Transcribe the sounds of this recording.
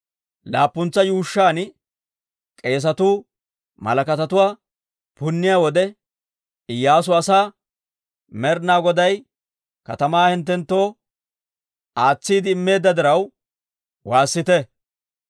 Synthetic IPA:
laːpːʊnt͡sːɐjuːʃːaːn | kʼe̞ːs̬ɐt̪uː | mɐ̰lɐkɐt̪ɐt̪ʊwaː | pʊnːɪjaːwɔd̪ɛ | ɪjːaːs̬ʊɐsaː | mɛɾnaːɡɔd̪ɐj | kɐt̪ɐmaːhɛnt̪ːɛnt̪ːo̞ː | aːt͡sːiːd̪ɪːmːe̞ːd̪ːɐd̪ɪɾɐw | waːsːɪt̪ɛ

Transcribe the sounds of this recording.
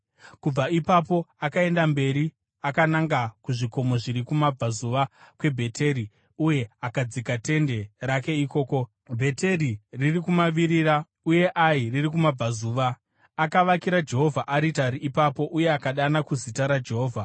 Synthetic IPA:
kub͡vaipapo̞akae̞ndambe̞ɾi | akanaŋɡakuʐiko̞mo̞ʐiɾikumab͡vazuʋakwe̞bʱe̞tʰe̞ɾi | uje̞akad͡zikate̞nde̞ɾake̞iko̞ːko̞ | bʱe̞te̞riririkumaʋiɾira | uje̞ʔairirikumab͡vazuːʋaː | kaʋakiɾad͡ʒe̞ɦo̞vʱaʔaɾitaɾiʔipapo̞ʔuje̞akaɗanakuzitaɾad͡ʒe̞ɦo̞ːvʱa

